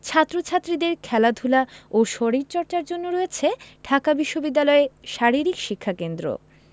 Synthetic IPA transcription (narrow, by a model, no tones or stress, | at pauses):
t͡ɕʰat̪ːɾot͡ɕʰat̪ːɾid̪eɾkʰɛlad̪ʱulaoʃoɾiɾt͡ɕɔɾt͡ɕaɾd͡ʑonːoɾɔet͡ɕʰeɖʱakabiʃːobid̪ːalɔeʃaɾiɾikʃikʰːakend̪ɾo̰